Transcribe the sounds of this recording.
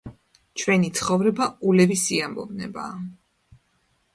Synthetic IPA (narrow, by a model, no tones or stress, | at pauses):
t͡ʃʰwɛnit̪sʰχɔvɾɛbaulɛvisiambɔ̰bnɛ̰ba̰ː